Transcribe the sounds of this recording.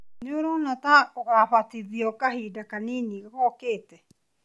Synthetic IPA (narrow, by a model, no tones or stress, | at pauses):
nioɾownatakoʔaɸatiðiokaɦidakaninikakokete